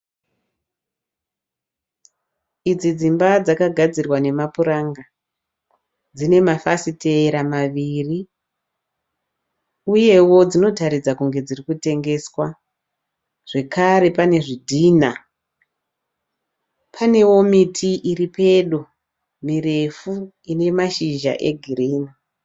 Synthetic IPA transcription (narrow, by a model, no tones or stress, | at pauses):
id͡zid͡zimbad͡zakaɡʱad͡zirwane̞mapuɾaŋɡa | d͡zine̞mafasite̞ːɾamaʋiri | uje̞wo̞d͡zino̞taɾid͡zakuŋɡe̞d͡zirikute̞ŋɡe̞swa | ʐ̥e̞kaɾe̞pane̞ʐidʱiːna | pʰane̞wo̞mitʰiʔiripe̞ɗo | mire̞fu | ine̞maʃiʒa̰ʔe̞ɡʱiriːni